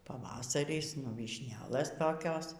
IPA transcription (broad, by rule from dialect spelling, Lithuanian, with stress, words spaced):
pɐˈʋɑːsɐrʲɪs nʊ ʋʲiːʃʲˈnʲæːlˠɘs toːˈkʲoːs